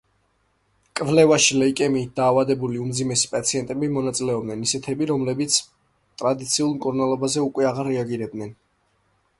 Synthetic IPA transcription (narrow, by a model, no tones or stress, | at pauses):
kʼvlɛvaʃilɛikʼɛmiːt̪̚d̪aːvad̪ɛbuliumd̪zimɛsi̥pʼat̪sʰiɛnt̪ʼɛbimɔnat̪sʼilɛɔb̚dnɛnisɛt̪ʰɛbiɾɔmlɛbit̪sʰ | t̪ʼɾad̪it̪sʰiulˠmkʼuɾnalˠɔbazɛukʼwɛaʁaɾːɛaɡiɾɛbd̪nɛn